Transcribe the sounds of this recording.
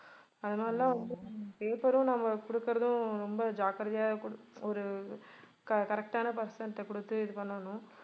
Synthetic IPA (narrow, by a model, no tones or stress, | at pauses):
ɐðɯnaːllãːʋɐnd̪ɯpeːpɐɾʊ̃nɐmːɐkʊɽɯkːɪɾɐðʊ̃ɾɔmbɐd͡ʒaːkɐɾɐðɪjaːɔɾɯ | kɐkɐɾɛk̚ʈaːnɐpɐɾsɐɳʈkʊɽɯt̪ːɯɪðɯpɐɳːɐnʊ̃